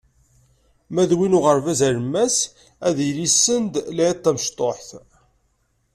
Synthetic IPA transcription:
mæðwinʊʁəɾvæzæɾəmːæs | æðilisːənd̪lʕt̪ˤːæməʃt̪ˤoħθ

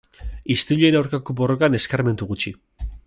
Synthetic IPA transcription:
ist̪uʎenawɾkako̞bo̞ro̞kane̞skaɾme̞nt̪uɣut͡ʃi

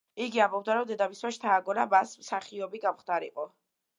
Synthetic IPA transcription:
iɡiambɔb̚d̪aɾɔmd̪ɛd̪amiswaʃt̪ʰaːɡɔnamasmsaχiɔbiɡamχt̪aɾḭqʼɔ

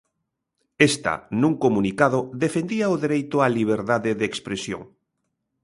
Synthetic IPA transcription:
est̪a̰nũŋkomunikað̞oðefẽnd̪iaoðeɾejt̪ʊaliβ̞eɾðaðeðekspɾesjo̰ŋ

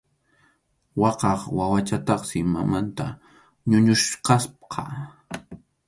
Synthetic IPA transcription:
wɑqɑχwawat͡ʃat̪ɑχsɪma̰mant̪a | ɲʊɲʊʃqɑspqʰɑ̰

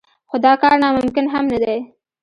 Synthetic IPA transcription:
xod̪ɑkɑɾnɑmʊmkɪnɦamnad̪aj

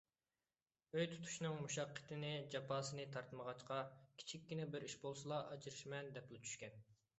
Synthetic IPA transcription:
øjt̪ʰu̥t̪ʰu̥ʃnɨŋmuʃɑqːə̥t̪ʰɪnɪd͡ʒɑpʰɑːsɨnɨt̪ʰɑɾt̪məʁɑt͡ʃqʰɑkʲʰi̥t͡ʃʰikʲːinɛbɪɾiʃbolˠsɨlˠɑʔɑd͡ʒɨɾɨʃmɛnd̪ɛplɪt͡ʃʰy̥ʃkʲɛn

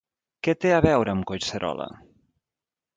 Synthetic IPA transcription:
kɛt̪eəβɛwɾəːmkojsəɾɔ̰lə̰

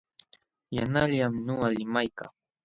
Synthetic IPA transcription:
janaʎamnoalɪmajkaŋ

